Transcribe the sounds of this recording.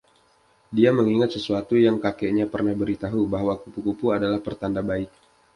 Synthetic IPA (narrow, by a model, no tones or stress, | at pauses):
diaməŋiŋat̪̚səsuat̪ujaŋkakɛʔɲapərnahbəɾit̪aɦubaɦwakupukupuadalahpərt̪andabaɪk̚